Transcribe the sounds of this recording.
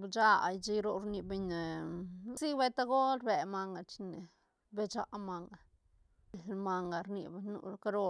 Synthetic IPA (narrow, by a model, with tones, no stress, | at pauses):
d͡ʒa˦˨˧t͡ʃi˧ɾo˦ɾni˧be˧ɲ˨si˦be˧t̪a˦ɡo˦lɾbe˨ma˧ŋɡa˨t͡ʃne˨ | be˧t͡ʃa˧ʔma˧ŋɡa˨ | lma˧ŋɡa˨ɾni˧be˧ɲnṵ˧ka˦ɾo˦